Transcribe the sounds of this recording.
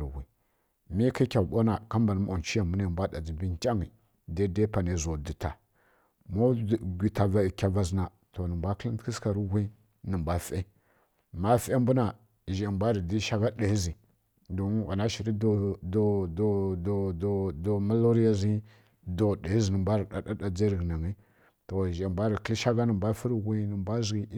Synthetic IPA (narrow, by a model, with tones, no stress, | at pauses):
ɾwi˨ | mi˦ki˦kʲa˨ɓo˦na˨ka˦mba˨n˦m˦o˨n˨t͡ʃi˦ja˨mbu˦na˨mbʷa˦da˨d͡zi˨bi˦nta˦ŋi˨ | da˦da˦pa˨ne˨zo˨di˨ta˨ | mo˦˨ɡʲʷi˨ta˨va˨i˨kʲa˨va˨zna˨ | to˨nə˨mbʷa˦kə˦li˦ntki˦ska˨ɾi˦wi˦ | nə˨mbʷa˦fe˦ | ma˦fe˦m˦bu˦na˨ | ʒa˨mbʷa˦ɾi˨di˦ʃa˦ɡa˦da˨i˦zi˨ | do˨˦ɣa̰˨na˦ʃi˨ɾi˦do˦˨do˦do˦ddo˨ma˦lo˦ɾi˦ja˦zi˦ | do˨da˨i˦zi˨nə˨mbʷa˦ɾi˨ɗa˦da˦da˨d͡ze˦ɾɡna˨ŋi˦ | to˨ʒa˨mbʷa˦ɾi˨kə˦lʃa˦ɡa˦nə˨mba˦fi˦ɾɣʷi˦nə˨mba˦zɡi˦